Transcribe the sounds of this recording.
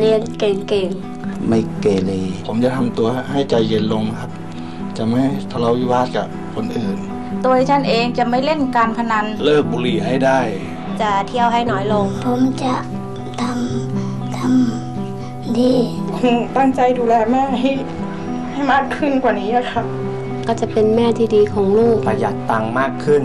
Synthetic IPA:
li˧ənkeː˨˩ŋkeː˨˩ŋ | ma˥˩jkeː˨˩leː˧˩pʰo˨˦mt͡ɕa˨˧˨t̪ʰa˧mt̪u˧ɐha˥˩jt͡ɕa˧˩jːe˧˥nlo˧ŋkʰa˧˦˥p̚ | t͡ɕa˨˩˨ma˧˥˩ha˥˩jt̪ʰaː˧˩la˧˩wiː˧˩waː˧˥˩t̪̚ka˧˩ | kʰo˧˦nʔɯː˨˩n | t̪o˧t͡ɕʰa˥˩nʔeː˧ŋt͡ɕa˧˩ma˥˩jle˥˩nkaː˧npʰa˧na˧˥nlɤː˥˩k̚buː˧˩liː˧˩ʔa˥˩jda˥˩j | t͡ɕa˧˩t̪ʰi˧˥˩əwɦa˥˩jnɔː˧˦˥jlo˧ŋpʰo˩˦mt͡ɕa˧˩ | t̪ʰa˧˥m | t̪ʰa˧˥m | diː˧˨˦ | t̪a˥˩ŋt͡ɕa˧jduː˧lɛː˧maː˧˥˩ɦa˥˩j | ha˧˥˩jmaː˥˩kʰːɯ˧˥˩nkwaː˨˩niː˦˥la˧˩kʰa˦˧˥p̚ | kɔː˧˩t͡ɕa˨˧˨pe˧nmɛː˥˩t̪ʰiː˧˩diː˧kʰɔː˩˦ŋloː˥˩k̚ka˧˩jaː˨˩k̚t̪a˧ŋmaː˥˩kʰːɯ˥˩n

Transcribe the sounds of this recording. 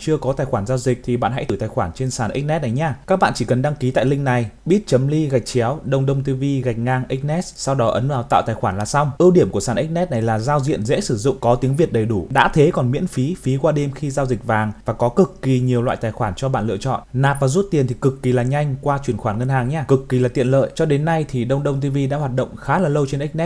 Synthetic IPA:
t͡ɕɨ˧əkɔ˨˦t̪aː˨˩jxwaː˧˩nzaː˧wzï˨˩k̟̚t̪ʰi˨˩ɓa̰ː˧˨nɦa̰˧˥t̪ɨ˧˩t̪aː˨˩jxwaː˧˩nt͡ɕe˧nsaː˧˩nʔï˦˥k̚nɛ˦˥t̚na˨˩jɲaː˧kaː˦˥k̚ɓa̰ː˧˨nt͡ɕi˧˩kə˨˩nɗa˧ŋki˨˦t̪a̰ː˧˨jlï˧ŋ̟na˨˩jɓi˦˥ət̚t͡ɕə˨˦mli˧ɣa˨˩jk̚t͡ɕɛ˨˦wɗə˧wŋ͡mɗə˧wŋ͡mt̪i˧vi˧ɣa˨˩jk̟̚ŋaː˧ŋʔi˦˥k̚nɛ˦˥tsa˧wɗɔ˨˦ʔə˨˦nvaː˨˩wt̪a̰ː˧˨wt̪aː˨˩jxwaː˧˩nlaː˨˩sa˧wŋ͡mʔɨ˧ɗi˧˩əmku˧˩əsaː˧˩ʔi˦˥k̟̚nɛ˦˥t̚na˨˩jlaː˨˩zaː˧wzḭ˧˨ənzɛ̰˧˥sɨ˧˩zʊ̰˧˨ŋ͡mkɔ˨˦t̪i˨˦əŋvi˨˩ət̚ɗə˨˩jɗu˧˩ɗa̰ː˧˥t̪ʰe˨˦kɔ˨˩nmḭ˧˥ənfi˨˦fi˨˦kwaː˧ɗe˧mxi˧zaː˧wzï˨˩k̟̚vaː˨˩ŋvaː˨˩kɔ˨˦kɨ˨˩kːi˨˩ɲi˨˩əwlwa̰ː˧˨jt̪aː˨˩jxwaː˧˩nt͡ɕɔ˧ɓa̰ː˧˨nlɨ̰˧˨ət͡ɕɔ̰˧˨nnaː˨˩p̚vaː˨˩zu˦˥t̚t̪i˨˩ənt̪i˨˩kɨ˨˩kːi˨˩laː˨˩ɲa˧jŋ̟kwaː˧t͡ɕwi˧˩ənxwaː˧˩nŋə˧nhaː˨˩ŋɲaː˧kɨ˨˩kːi˨˩laː˨˩t̪ḭ˧˨ələ̰ː˧˨jt͡ɕɔ˧ɗe˨˦nːa˧jt̪ʰi˨˩ɗə˧wŋ͡mɗə˧wŋ͡mt̪̬i˧vi˧ɗa̰ː˧˥hwaː˨˩t̚ɗə̰˧˨ŋ͡mxaː˨˦laː˨˩lə˧wt͡ɕe˧nʔi˦˥k̚nɛ˦˥t̚

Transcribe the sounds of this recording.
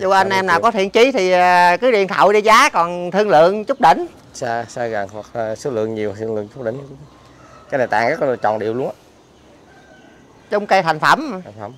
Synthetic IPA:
zṵ˧˩ʔa˧jnʔɛ˧mnaː˨˩kɔ˨˦t̪ʰḭ˧˨ənt͡ɕi˨˦t̪ʰi˨˩ə˨˩kɨ˨˦lḭ˧˨ənt̪ʰə̰˧˩wjɗi˧zaː˨˦kɔ˨˩nt̪ʰɨ˧əŋlɨ̰˧˨əŋt͡ɕʊ˦˥k͡p̚ɗḭ̈˧˨ŋ̟ | sa˧saː˧ɣa˨˩ŋha˨˩k̚ːso˨˦lɨ̰˧˨əŋɲi˨˩w̪ʰɨ˧ŋlɨ̰˧˨əŋt͡ɕʊ˦˥k͡p̚ɗḭ˧˨ŋ˧ | kaː˨˦jna˨˩jt̪aː˧˨ŋkaː˨˦˥kːt͡ɕɔ̰˧˨nɗi˨əwlu˧əŋa˧˩ | t͡ɕə˧˦wŋ͡mkə˧jt̪ʰa˨˩jŋ̟fə˧˩m˨˩ŋ˧˩m

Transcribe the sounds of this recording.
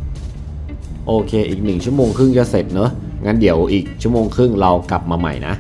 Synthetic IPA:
ʔoː˧kʰeː˧ʔiː˨˩k̚nɯ˨˩ŋt͡ɕʰu˥˩əmoː˧ŋkʰɯ˥˩ŋt͡ɕa˧˩se˨˩t̪̚nɤ˦˥ŋʔaː˧ndi˩˦əwʔiː˨˩k̚t͡ɕʰu˥˩əmoː˧ŋkʰɯ˥˩ŋɾa˧wkla˨˩p̚maː˧ma̰˨˩jna̰˦˥ʔ

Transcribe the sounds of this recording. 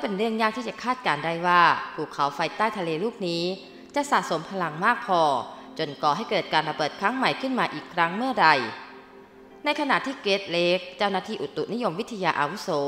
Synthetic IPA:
ka˥˩pe˧nɾɯ˥˩əŋjaː˥˩k̪̚ʰiː˥˩t͡ɕa˨˩kʰaː˥˩t̪̚kaː˧nda˥˩jwaː˥˩pʰuː˨˩kʰa˩˦wfa˧jt̪aː˥˩jt̪ʰa˧leː˧luː˥˩k̚niː˦˥ | t͡ɕa˨˩ʔsa̰ː˨˩ʔ̚so˩˦mpʰa˧la˧˦ŋmaː˥˩k̚pʰɔː˧t͡ɕo˧nkɔː˨˩ɦa˥˩jkɤː˨˩t̪̚kaː˧nɾa˧bɤː˨˩t̪̚kʰɾa˦˥ŋma˨˩jkʰɯ˥˩nmaː˧ʔiː˨˩kʰɾa˦˥ŋmɯ˥˩ɐɾa˧˩j | na˧jkʰa˧na̰˨˩ʔt̪ʰiː˥˩keː˦˥t̪̚leː˦˥k̚t͡ɕa˥˩wnaː˥˩t̪ʰiː˥˩ʔu˨˩t̪ːu˨ʔni˦˥jo˧mwi˦˥t̪ʰa˧jaː˧ʔaː˧wu˦˥soː˩˦

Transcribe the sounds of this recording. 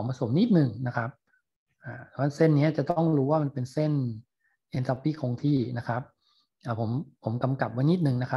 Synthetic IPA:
ɔ˩˦ŋpʰa˧so˩˦mni˥˩t̪̚nɯ˨˩ŋna˦˥kʰa˦˥p̚ | ʔaː˧˩˧wa˥˩se˥˩nːi˦˥ɐt͡ɕa˨˩t̪ɔ˥˩ŋɾuː˦˥waː˥˩ma˧npe˧nse˥˩n | ʔe˧nt̪a˧pːi˥˩kʰo˧ŋt̪ʰiː˥˩na˦˥kʰa˦˥p̚ | ʔaː˧˨˩pʰo˩˦mpʰo˩˦mka˧mka˨˩p̚wa˦˥jni˦˥˩t̪̚nɯ˨˩ŋna˦˥kʰa˦˥

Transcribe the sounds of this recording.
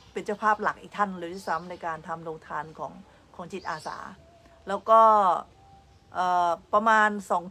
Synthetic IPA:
pe˧nt͡ɕa˥˩wpʰaː˥˩p̚la˨˩k̚ʔiː˨˩k̚t̪ʰa˥˩nɾɯː˨˦t̪ʰiː˥˩sa˦˥mna˧jkaː˧nt̪ʰa˧mɾoː˧ŋt̪ʰaː˧nkʰɔ̰ː˩˦ŋ | kʰɔː˩˦ŋt͡ɕi˨˩t̪̚ʔaː˧sa̰ː˩˦ | lɛː˦˥wkɔː˥˩ | ʔɤː˨˩pɾa˧maː˧nsɔː˩˦ŋ

